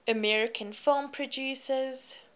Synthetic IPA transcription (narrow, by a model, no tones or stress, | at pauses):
əmɛɹɪkʰə̃nfɪlˠmpʰɹɔd͡ʒuːsəz̥